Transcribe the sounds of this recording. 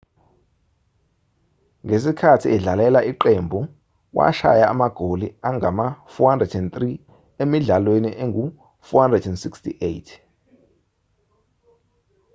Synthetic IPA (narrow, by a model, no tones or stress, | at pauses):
ŋʱesikʰatʰiɛɮalɛlaiǃɛmbʱu | wʔa̰ʃa̰jaːmaɡ̥ʱoliaŋʱamafuhandrɛdɛnt̪ri | emiɮalweniʔeŋɡʱu | fuhandrɛdɛnsikstḭʔejtʰ